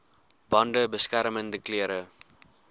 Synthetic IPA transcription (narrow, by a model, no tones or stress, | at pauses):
bɔ̃nɖəbəskæɾəməndəkliəɾə